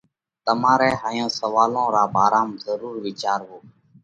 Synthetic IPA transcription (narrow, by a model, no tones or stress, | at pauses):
t̪əmãːɾɛːɦaːjõːsəʋaːlõːɾaːbʱaːɾaːmzəɾuːɾʋiːt͡ʃaːɾɦoː